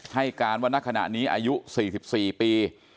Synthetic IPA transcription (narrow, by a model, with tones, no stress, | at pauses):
ha˥˩jkaː˧nwaː˧˥˩nːa˦˥˩kʰa˧na̰˨˩ʔniː˦˥ʔa̰ː˧ju˦˥siː˨˩si˨˩p̚siː˨˩piː˧